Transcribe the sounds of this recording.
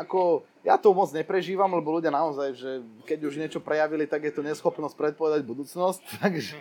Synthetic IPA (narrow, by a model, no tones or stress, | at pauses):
akɔ | jat̪ɔmɔd͡zɲɛpɾɛʒiːʋamlɛbɔluɟɪanaɔzajʒɛkɛɟuʒɲɪɛt͡ʃɔpɾɛjaʋilit̪aɡjɛt̪ɔɲɛsxɔpnɔscpɾɛt̪̚pɔʋɛd̪aɟbud̪uːt͡snɔsc̚t̪aɡʒɛ